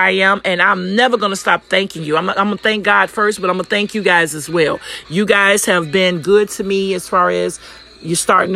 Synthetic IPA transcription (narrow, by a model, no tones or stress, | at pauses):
aɪɨ̃mɨ̃nãɪ̃mnɛvə˞ɡʌ̃nəstɑp̚θæ̃ŋkɪ̃ŋjɨãɪ̃mãɪ̃məθæ̃ŋk̚ɡ̥ɑd̥fɜ˞st̚b̥ʌɾãɪ̃məθæ̃ŋkjɨɡaɪzɨzwɛlˠjɨɡaɪz̥hɨvbɪ̃nɡʊd̚tʰɨmiɨz̥fɑɹɨz̥ | jə˞stɑ̰ɹɾɪ̃ŋ